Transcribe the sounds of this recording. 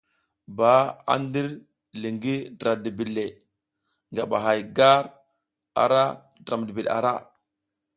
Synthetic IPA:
ba˨˦a̰˦ndi˦ɾ | li˨ŋɡi˦dɾa˨di˨bi˨le˨ | ŋɡa˨ɓa̰˨ɦa˨jɡa˦ɾ | a̰˨ɾa˦ | dɾa˨m˨di˨bi˨ɗa̰˨ɾa˦

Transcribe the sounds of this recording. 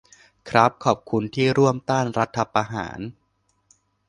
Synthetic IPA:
kʰɾa˦˥p̚kʰɔː˨˩p̚kʰu˧nt̪ʰiː˥˩ɾu˥˩əmt̪aː˥˩nɾa˦˥t̪ʰːa˧pɾa˧ɦa̰ː˩˦n

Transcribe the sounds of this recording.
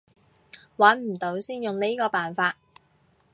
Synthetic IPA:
wɐ˨˥nm̩˨˩t̪o˨˥wsiː˥njʊ˨ŋne˥kɔː˧paː˨nfaː˧t̚

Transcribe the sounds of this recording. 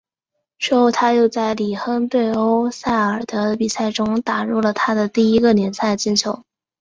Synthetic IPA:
ʂɻ̩˥˧xo˥˧ʊt̪ʰa˥jo˥˧ʊt͡sa˥˩ɪli˨˩xə˥npe˥˩ɪo˥ʊsa˥˩ɪə˞˨˩d̪̥ə˦pi˨˩sa˥˩ɪʈ͡ʂʊ˥ŋt̪a˨˩ɻu˥˩lə˩t̪ʰa˥d̪ə˨t̪i˥˩i˥ɡə˨njɛ˧˥nsa˥˩ɪt͡ɕi˥˩nt͡ɕʰjo˧˥ʊ

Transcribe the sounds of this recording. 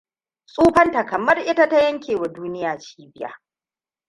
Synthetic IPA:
sʼuː˦ɸɐ˦nta˨kɐ˨mɐ˦rʔɪ˦ta˦ta˦jɐ˦ŋkʲʰeː˨wa˨duː˦nɪ˦jaː˨t͡ʃi̥ː˦bɪ˦ja̰ː˨

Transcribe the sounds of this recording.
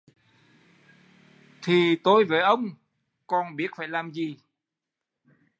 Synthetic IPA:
t̪ʰi˨˩t̪o˧jveː˨˩ʔə˧wŋ͡m | kɔ˧nɓi˦˥ət̚faː˧˩jlaː˨˩mzi˨˩

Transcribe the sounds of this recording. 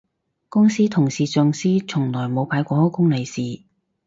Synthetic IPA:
kʊ˥ŋsiː˥t̪ʰʊ˨˩ŋsiː˨t͡sœː˨ŋsiː˥t͡sʰʊ˨˩ŋlɔː˨˩jmo˨˧wpʰaː˨˧˥jkʷɔː˧hɔː˥wkʊ˥ŋle˨˧jsiː˨˩

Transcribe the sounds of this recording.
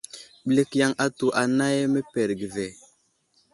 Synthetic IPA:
ɓle˦kja˦ŋa˦tu˨ʔa˨na˦je˦me˦pe˨ɾɡi˨ve˨

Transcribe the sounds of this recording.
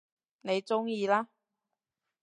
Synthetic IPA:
ne˨˧jt͡sʊ˥ŋjiː˧laː˥

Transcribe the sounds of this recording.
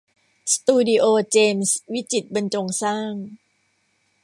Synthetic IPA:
st̪uː˧di˧ʔoː˧t͡ɕeː˧mswi˦˥t͡ɕi˨˩t̪̚ba˧nt͡ɕo˧ŋsaː˥˩ŋ

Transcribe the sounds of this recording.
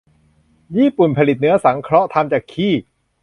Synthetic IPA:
jiː˥˩pu˨˩npʰa˧li˨˩t̪̚nɯ˦˥ɐsa˩˦ŋkʰɾɔ˦˥ʔt̪ʰa˧mt͡ɕaː˨˩kʰːiː˥˩

